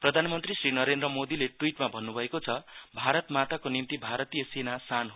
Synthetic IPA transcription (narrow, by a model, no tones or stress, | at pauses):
prʌd̪ʱanʌmʌnt̪risrinʌɾend̪rʌmod̪ileʈwiʈmabʱʌnːubʱʌekot͡sʰʌbʱaɾʌt̪mat̪akonimt̪ibʱaɾʌt̪ijʌsenasanɦ